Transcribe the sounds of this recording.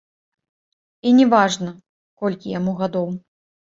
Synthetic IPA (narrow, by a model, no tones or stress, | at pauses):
inʲɛvaʐnɐ | kɔlʲkʲijamuɣad̪ɔw